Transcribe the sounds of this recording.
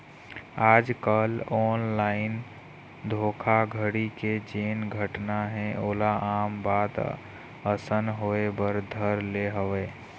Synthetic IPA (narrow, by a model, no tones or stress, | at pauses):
aːd͡ʒkəlɔːnlaːɪn | d̪ʱoːkʰaɡʱəɽiked͡ʒeːnɡʱəʈnaɦɛ̃ʔoːlaʔaːmbaːd̪ | əsənɦoːebəɾd̪ʱəɾleɦəʋeː